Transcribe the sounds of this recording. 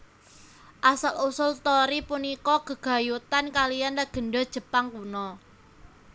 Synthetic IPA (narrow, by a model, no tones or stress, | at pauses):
ʔasalusʊlt̪ɔɾipunikɔɡ̥ə̤ɡ̥a̤jut̪ankalijandaɡ̥ə̤ɳɖɔd̥ʒ̥ə̤paŋkunɔ